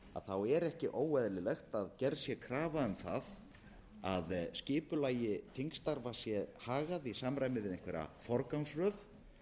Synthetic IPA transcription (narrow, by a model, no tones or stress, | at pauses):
a̰ðθawɛɾɛhcɪʔoːwɛðlɪlɛxt̪aðcɛɾsjɛkʰɾaːvaʏmθað | aðscɪːpʏlaːjɪθiŋst̪aɾvasjɛhaːɣaðisaːmɾajmɪvɪðẽŋkvɛɾa̰fɔɾkansrœð